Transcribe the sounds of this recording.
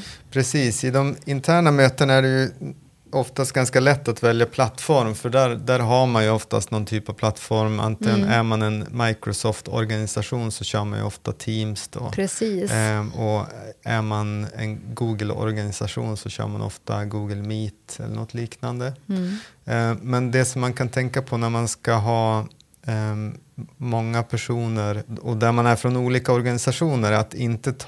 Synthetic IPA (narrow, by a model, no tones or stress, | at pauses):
pʰɾɛsiːsɪd̪ɔmɪnt̪ʰæːɳamøːt̪ənaæɖɛjɵ | ɔft̪ast̪ɡanskalɛt̪ːat̪vɛljapʰlat̪ːfɔɾmfœɖæɾd̪æɾɦaɾmanjɵɔft̪a̰st̪nɔnt̪ʰyːpav̥pʰlat̪ːfɔɾma̰nt̪ɪnæɾmanɛnmajkɾɔsɔːft̪ʰɔ̰ɾɡanɪsaɧuːnsɔɕœːɾmanjɵ̰ɔft̪at̪ʰiːmsd̪ɔ̰pɾɛiːɔæɾmanɛ̰nɡuːɡəlɔ̰ɾɡanɪsaɧṵːnsɔɕœ̰ːɾmanʔɔ̰ft̪a̰ɡuːɡəlmiːt̪ɛ̰lːə̰ɳɔ̰t̪ʰːliːknand̪ə | mɛnd̪ɛsɔmːankʰant̪ʰɛŋkapʰɔnæɾmanskaɦɑː | mɔŋːapʰæʂuːnəɾɔd̪æɾmanæɾfɾɔnuːliːkaɔɾɡanɪsaʂuːnəɾat̪ɪnt̪ət̪ʰ